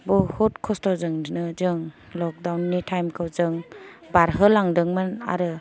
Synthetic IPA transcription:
bɔhɔt̚kʰɔstɔzɯŋnɯzɯŋ | lɔk̚dawnːitʰajmkʰɯwzɯŋ | baɾɦɯlaŋdɯŋmɯna̰ɾɯ

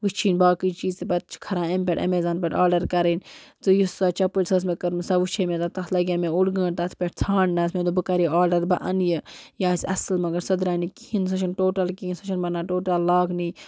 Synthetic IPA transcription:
ʋɨt͡ʃʰiːnbaːkit͡ʃiːzt̪epɐt̪̚t͡ʃʰkʰɐɾãːempʲeʈɐ̰meːzaːnpʲeʈaːɾɖɐɾkɐɾint͡sɨjusaːt͡ʃɐpɨlʲsɐs̬mekɐɾmɨsaʋut͡ʃʰemet̪at̪ɐt̪lɐɡʲameuɽɡə̃ːɳt̪ɐt̪ʰpʲeʈt͡sʰaːɳnɐsmẽd̪obɨkɐɾiaːɾɖɐɾbɐʔɐnjɨjaːsʲɐ̰slmɐɡɐɾsɐd̪ɾaːnikihinsɐt͡ʃʰinʈoːʈɐlkiinsɐt͡ʃʰɐnbɐnːaːʈoːʈɐlːaːkniː

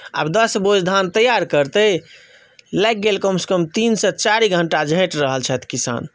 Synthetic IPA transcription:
a̰bd̪əsbod͡ʒd̪ʱant̪əjaɾkəɾt̪ə | lɛk̚ɡelkəmsə̥kəmt̪insə̃t͡ʃaɾiɡʱəɳʈad͡ʒʱə̃ʈɾəɦəlt͡ʃʰɛt̪ʰkisa̰n

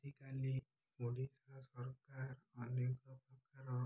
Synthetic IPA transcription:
t̪ikali | muɽisasɔɾkaɾɔnjɔkɔpɔkaɾɔ

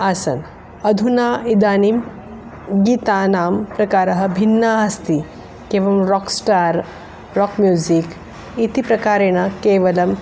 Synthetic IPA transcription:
aːsɐ̰n | ɐd̪ʱunaːid̪aːnim | ɡiːt̪aːnaːmpɾɐkaːɾɐɦɐ̆bʱinːaɦɐst̪i | keːʋɐmɾɔksʈaːɾ | ɾɔkmjuːzik | it̪ipɾɐkaːɾeːɽ̃akeːʋɐlɐm

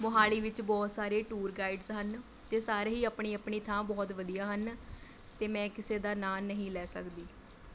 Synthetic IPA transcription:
mʊɦaːliːʋɪt͡ʃbɔːt̪saːɾeːʈuːɾɡaːiɖzɦən | t̪eːsaːɾeɦiːəpɳiːəpɳiːt̪ʰãːbɔːt̪ʋəd̪ijaːɦən | t̪eːmɛ̃ːkɪseːd̪aːnaːnəɦĩːlɛːsə̰kd̪iː

